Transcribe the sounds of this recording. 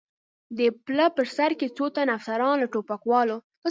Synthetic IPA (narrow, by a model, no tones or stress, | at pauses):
d̪əpləpəɾsaɾket͡sot̪anafsaɾɑnlaʈopakwɑlo | ə